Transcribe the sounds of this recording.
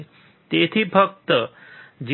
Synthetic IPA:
t̪et̪ʰipʰək̚t̪əd͡ʒ

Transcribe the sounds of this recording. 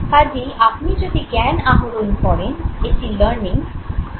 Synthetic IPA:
k̪ad͡ʑiʔapnid͡ʒod̪ʱiɡɛnaɦuɾunpɔɽenesiləɾniŋ

